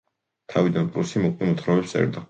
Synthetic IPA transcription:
t̪ʰavid̪anpʼɾusimuqʼwimut̪ʰχɾɔvɛpsɛ̰ɾd̪a

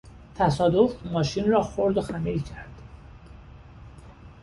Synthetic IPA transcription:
t̪ʰæsɒːd̪ofmɒːʃinrɒːxoɾd̪oxæmilcʰæɾd̪̥

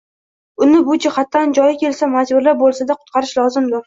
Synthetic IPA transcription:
ʊnɪbʊd͡ʒɪhat̪ːand͡ʒɒjɪkʲe̞lsamad͡ʒbʊɾlabolˠsad̪aqʰʊ̥t̪̚qʰɑɾɪʃlɒzɪmd̪ʊɾ

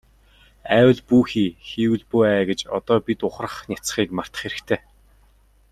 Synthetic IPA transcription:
æːwə̆ɮpuːxiːxiːwɘ̆ɮpuæːɡet͡ɕɔ̰t̪ɔːpit̪ʊχrə̆χnʲat͡sχiːkmar̥t̪ə̥̆χeɾɘ̆kt̪ʰeː

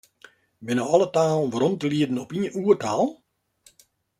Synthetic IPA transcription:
bɪnəwɔlˠətaːlˠʋərɔntəliədn̩ɔpiənuərtaːlˠ

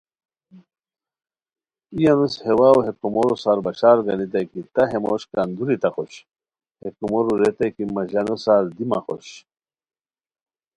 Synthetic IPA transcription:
ijɐnushewawɦekumoɾusaɾbɐɕaːɾɡɐnit̪ɐjkit̪aɦemoɕkand̪uɾit̪ɐxoɕ | hekumoɾuɾet̪ɐkimɐʑɐnosaɾd̪imɐ̰xo̰ɕ

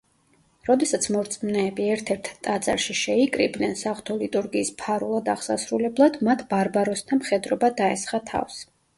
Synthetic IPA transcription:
ɾɔd̪ɛsat̪sʰmɔɾt̪sʼmnɛːbiɛɾt̪ʰɛɾt̪ʰt̪ʼad̪za̰ɾʃiʃɛikʼɾḭbnɛnsaʁt̪ʰɔlit̪ʼuɾɡiːspʰaɾulˠad̪aʁsa̰sɾulɛblˠad̪mat̪ʰb̥aɾbaɾɔsd̪ʰamχɛd̪ɾɔbad̪aɛsχat̪ʰa̰fs

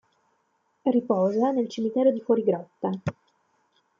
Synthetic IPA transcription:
ripɔːzanelt͡ʃimit̪ɛːɾod̪ifwɔɾiɡɾɔt̪ːa

